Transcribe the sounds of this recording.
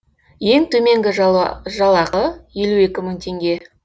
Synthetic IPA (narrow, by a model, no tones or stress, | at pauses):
je̞ŋt̪ʰɵme̞ŋɡʲɪʒʒɑlˠɑʁəje̞lue̞kʲɪmʏŋt̪ʰe̞ŋɡʲe̞